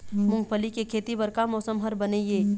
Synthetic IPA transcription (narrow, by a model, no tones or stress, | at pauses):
mʊ̃ŋɡpəlikekʰeːt̪ibəɾkamɔːsəmɦəɾbəneːjeː